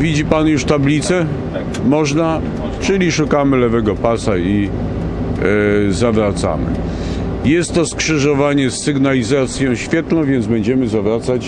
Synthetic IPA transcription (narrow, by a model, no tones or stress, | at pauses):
vʲid͡ʑipanjuʂt̪ablʲit̪sɛ | mɔʐna | t͡ʂɘlʲiʂukamɘlɛvɛɡɔpasai | zavɾat̪sa̰mɘ̰ | jɛst̪ːɔskʂɘʐɔvaɲɛsːɘɡnalʲizat̪sʲjɔ̃w̃ɕfʲjɛt̪nɔ̃w̃vʲjɛnd̪zbɛɲd͡ʑɛmɘzavɾat̪sat͡ɕ